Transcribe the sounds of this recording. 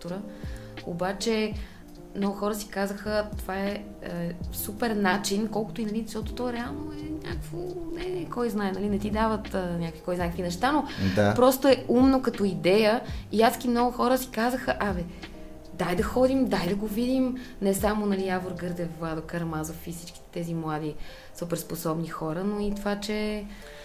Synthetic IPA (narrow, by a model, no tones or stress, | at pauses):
t̪ʊɾə | o̰bat͡ʃɛ | mnɔɡʊxɔɾəsi̥kazəxət̪ovaɛ | supɛɾnat͡ʃinkɔlˠkʊ̥t̪oinɐlizʃtɔt̪ot̪ɔjɾɛalˠnoɛnʲa̰kvonɛkɔjznaɛnɐlinɛt̪id̪avət̪ənʲakəkvi̥kɔjznaɛkəkvinɛʃt̪anod̪apɾɔst̪oɛumnokɐt̪ɔid̪ɛjəiaskimnɔɡʊxɔɾəsi̥kazəxəʔɐmɛ | d̪ajd̪ɐxɔd̪imd̪ajd̪ɐɡovid̪im | nɛsamonɐliavoɾɡɤɾd̪ɛvvad̪okɐɾmazofisi̥t͡ʃkʲi̥t̪ɛt̪ɛzimlˠad̪i | supɛɾsposɔbnixɔɾənoit̪ovat͡ʃɛ